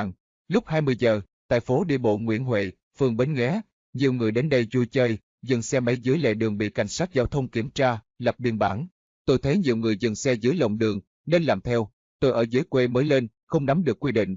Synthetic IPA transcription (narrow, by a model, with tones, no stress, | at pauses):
ŋ | lʊ˦˥k͡p̚haː˧jmɨ˧əjzəː˨˩ | t̪a̰ː˧˨jfo˨˦ɗi˧ɓo̰˧˨ŋwḭ˧˥ənɦwḛ˧˨ | fɨ˨˩əŋɓe˨˧nɣɛ˨˦ | ɲi˨˩əwŋɨ˨˩əjɗe˨˦nɗə˧jzu˧jt͡ɕəː˧j | zɨ˨˩nsɛ˧ma˨˦jzɨ˨˦əjlḛ˧˨ɗɨ˨˩əŋɓḭ˧˨ka˧˩jŋ̟saː˦˥k̚zaː˨˦wt̪ʰə˧wŋ͡mki˧˩əmt͡ɕaː˧ | lə˨˩p̚ɗḭ˧˩ənɓaː˧˩ŋ | t̪o˧jt̪ʰə˨˦jɲi˨˩əwŋɨ˨˩əjzɨ˨˩nsɛ˧zɨ˨˦jlə̰˧˨wŋ͡mɗɨ˨˩əŋ | ne˧nlaː˨˩mt̪ʰɛ˧w | t̪o˧jʔəː˧˩zɨː˨˦jkwe˧məː˨˦jle˧n | xə˧wŋ͡mna˨˦mɗɨ˨˩əkːwi˧ɗḭ̈˧˨ŋ̟